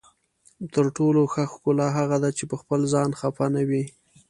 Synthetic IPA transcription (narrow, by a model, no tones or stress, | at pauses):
t̪əɾʈoloxaxkʊlɑɦaɣad̪at͡ʃepəxpəlzɑnxafanawi